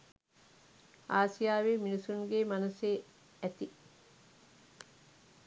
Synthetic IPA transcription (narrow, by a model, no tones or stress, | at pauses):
aːsijaːʋeːminisuŋɡeːmɐnɐseː | æt̪i